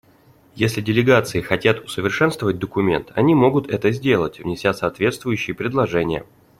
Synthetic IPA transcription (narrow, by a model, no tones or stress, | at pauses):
jesʲlʲɪdʲɪlʲɪɡat̪sɨɪxɐtʲat̪ʊsəvʲɪrʂɛnst̪vəvət̚ʲd̪əkʊmʲe̞̰nt̪ɐ̰nʲimo̞ɡʊt̪ɛt̪əzʲdʲe̞lˠətʲvnʲɪsʲasɐːt̪vʲe̞t̪st̪vʊjʉɕːɪjəpɾʲɪd̪lˠɐʐɛnʲɪjə̰